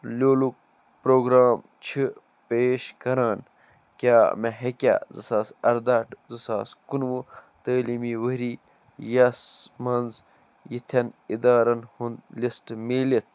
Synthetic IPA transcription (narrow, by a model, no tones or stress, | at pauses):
lʲoːluk̚ | pɾoːɡɾaːm | t͡ʃʰi | peːʃkɐɾaːn | kʲaːmeɦekʲa̰ːzɨ̰saːsɐɾd̪aːʈzɨsaːskunʋut̪əːliːmiːʋəɾiː | jɐsmɐnz | jit̪ʰɐnid̪aːɾɐnhund̪lisʈmeːlit̪̚ʰ